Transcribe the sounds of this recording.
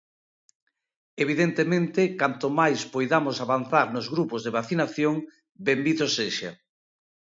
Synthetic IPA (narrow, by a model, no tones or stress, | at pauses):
eβ̞iðent̪emẽnt̪ɪkant̪omajspojðamosaβanθaɾnozɣɾupozðeβaθinaθjoŋ | bembiðoseʃa̰